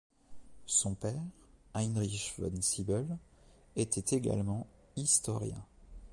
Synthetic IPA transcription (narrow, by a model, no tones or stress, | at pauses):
sɔ̃pɛʁajnʁiʃvɔ̰nsibœl | et̪ɛt̪ʰeɡa̰lmɑ̃ | ist̪ɔʁjɛ̰̃